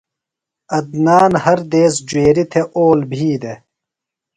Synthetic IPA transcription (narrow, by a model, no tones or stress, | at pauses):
ɐd̪naːnhɐɾd̪eːsd͡ʑweːɾit̪ʰeʔoːlbʱiːd̪e